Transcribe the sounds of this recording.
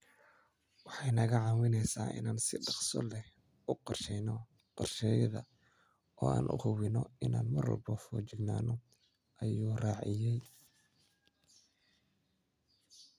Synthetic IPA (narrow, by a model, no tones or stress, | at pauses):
wɑħɑjnɐɣɐʕɑwɪnɛjsa̰ːʔɪ̰naːnsɪɖɑqsɔ̰lɛ | ʊqɔrʃɛjnɔ | qɔrʃɛːjɐðɐ | ʔɔ̰ːa̰ːnʔʊ̰hʊβɪnɔɪnaːnmɐrɔ̰lbɔfɔːt͡ʃɪɡnaːnɔ | ʔɐjuːraːʕɪjɛj